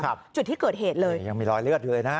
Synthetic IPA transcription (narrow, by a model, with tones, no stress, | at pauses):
k̚ʰːt͡ɕu˨˩t̪̚ʰi˦˥kəː˨˩t̚he˨˩t̚ləː˧jja˧˩ŋmiː˧˩lɔː˧jlɨ˦˥˩ət̚ɣɨ˧˨ə˨jnaː˦˥